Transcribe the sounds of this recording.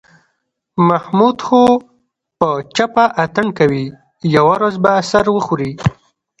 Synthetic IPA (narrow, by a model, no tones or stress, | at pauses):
mahmud̪xo | pət͡ʃapaʔat̪əɳkawi | jawaɾazbasaɾwəxuɾi